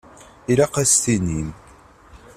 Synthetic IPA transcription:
iɾaqæst̪inim

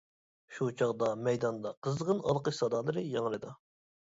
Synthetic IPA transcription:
ʃut͡ʃʰɑʁd̪ɑmɛjd̪ɑnd̪ɑqʰəzʁənɑlˠqəʃsɑd̪ɑlˠɨɾɨjɑŋɾɨd̪ɑ

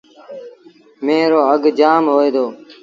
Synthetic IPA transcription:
meːɾoːəɡd͡ʒaːmɦoːeːd̪oː

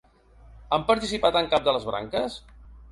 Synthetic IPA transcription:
ampəɾt̪isipat̪əŋkap̚d̪ələzβɾa̰ŋkəs

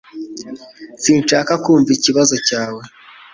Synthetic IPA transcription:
siːnʃaːkakuːɱviciβazo̞caːwe̞

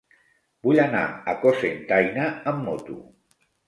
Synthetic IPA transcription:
buʎana̰əkosent̪ajnaəmːot̪ṵ

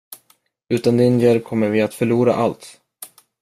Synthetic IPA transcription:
ʉ̟ːt̪and̪ɪnjɛɾkʰɔmːəɾvɪat̪fœɭuːɾa̰ʔalt̪

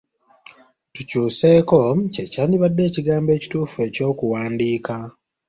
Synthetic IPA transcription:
tucuːseːko̞cecaːndiβadːe̞ːciɡaːmbe̞ːci̥tuːfue̞ːco̞ːkuwaːndiːka

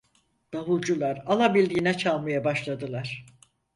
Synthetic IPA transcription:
d̪̥aβulˠd͡ʒulˠaɾalˠabilʲd̪iːnɛt͡ʃʰalˠmajabaʃlˠad̪ɯlˠaɾ̥

